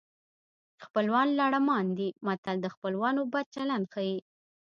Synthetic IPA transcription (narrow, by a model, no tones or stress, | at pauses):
xpəlwɑnlɑɽamɑnd̪imat̪ald̪əxpəlwɑnobad̪̚t͡ʃaland̪xaji